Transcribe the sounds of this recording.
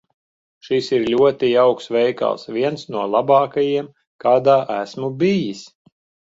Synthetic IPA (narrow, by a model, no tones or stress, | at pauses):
ʃisiɾlʲuɔt̪iawksʋɛjka̰lˠsvʲiɛnsnuɔlˠabɑːkajiɛm | kaːd̪aːʔæsmubijis